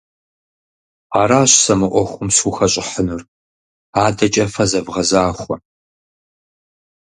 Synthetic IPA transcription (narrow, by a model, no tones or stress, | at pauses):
aːɾaːɕsɐmɨʔʷɔxʷʊmsuxɐɕʼɪħənur | aːdɐt͡ʃʼɐfɐzɐbʁɐzaːχʷɔ